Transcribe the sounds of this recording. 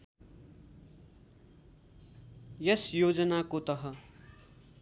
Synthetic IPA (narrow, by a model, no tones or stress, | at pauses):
jʌsjod͡zʌnakot̪ʌɦʌ